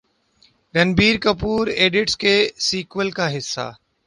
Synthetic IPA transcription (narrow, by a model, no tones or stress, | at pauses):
ɾənbiːɾkəpuːɾeːɖɪʈskeːsiːkʋəlkaːɦɪsːa̰ː